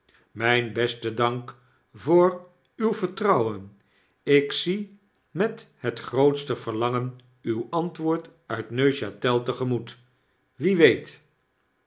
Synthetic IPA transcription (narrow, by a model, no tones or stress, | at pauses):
mɛjnbɛstədɑŋk | vʊːr | ywvəɹtrɑwən | ɪksi | mɛthətχrowtstəvəɹlɑŋən | ywɑntʋʊːɹtœɥtnøɥʃatɛlˠtəχəmut | ʋiʋejt